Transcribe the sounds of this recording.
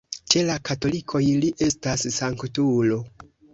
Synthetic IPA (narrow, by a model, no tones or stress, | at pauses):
t͡ʃe̞lakato̞likʰo̞jliʔe̞stassaŋktulo̞